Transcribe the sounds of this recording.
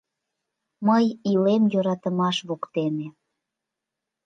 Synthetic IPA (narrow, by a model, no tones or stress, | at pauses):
məjilemjøɾɑt̪əmɑʃβukt̪eme